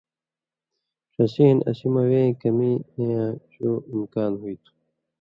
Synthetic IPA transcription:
ʂɐsiːnɐ̰simɐwẽkɐmieãɕoːimkaːnɦuit̪ʰu̥

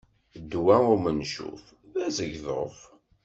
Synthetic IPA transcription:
d̪ːwæʊɾmənʃṵf | ðæzəʝðəf

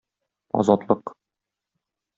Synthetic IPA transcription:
ɒ̰zɒt̪lˠɤq

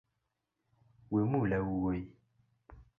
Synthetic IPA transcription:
wemũlɛwuwe

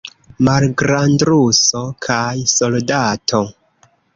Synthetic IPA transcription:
malɡɾandɾusokʰajso̞ldatʰo̞

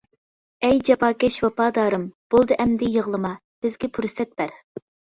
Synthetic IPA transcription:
ɛjd͡ʒɑpɑːkʲɛʃwɑpɑːd̪ɑːɾɨmb̥ulˠd̪ɨʔɛmd̪ɪjəʁlˠɨmɑ | b̥ɪzɡʲɛpʰuɾsɛt̪̚bæɾ

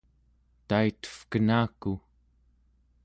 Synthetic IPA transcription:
t̪ait̪ə̥fkənaːku

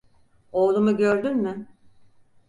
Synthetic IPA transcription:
o̞ːlˠumuɟøɾd̪ynmɪ

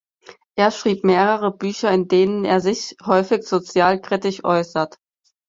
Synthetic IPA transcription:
ʔeːɐʃʁ̥iːpmeːʁəʁəbyːçɐɪndeːnənḛːɐzɪçhɔʏfɪçz̥ot͡sjaːlkʁ̥ɪtɪçʔɔ̰ʏsɐt

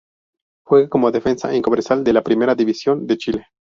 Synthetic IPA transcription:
xwe̞ɣako̞moðefe̞nsa̰ʔiŋko̞meɾsald̪e̞lapɾime̞ɾaðiβisjo̞nd̪e̞t͡ʃile

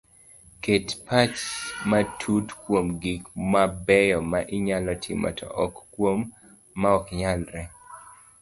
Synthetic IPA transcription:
ketpat͡ʃmatʰutkwomɡikmabɛjɔmaʔɪɲalɔtʰɪ̰mɔ̰tʰɔ̰ʔɔkːwomː | aɔkɲalɾɛ

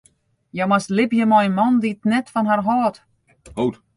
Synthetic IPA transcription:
jamaslɪpjəmɔjnmɔnditnɛtfɔnharɦɔːt | howt

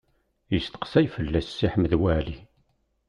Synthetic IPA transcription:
jəst̪ə̥qsæjfəlːæsːiħməðwæli

